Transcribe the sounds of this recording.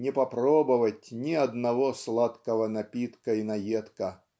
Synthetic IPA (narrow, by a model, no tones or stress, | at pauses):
nʲɪpɐpɾobəvətʲnʲɪɐd̪nɐvoslˠat̪kəvɐnɐpʲit̪kəinɐjet̪kə